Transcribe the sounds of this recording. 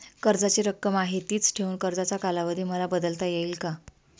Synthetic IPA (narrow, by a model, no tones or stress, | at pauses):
kəɾd͡zat͡ɕiɾəkːəmaɦit̪iːt͡sʈʰeuːnkəɾd͡zat͡sakalaʋəd̪ʱiːməlabəd̪əlt̪ajeiːlka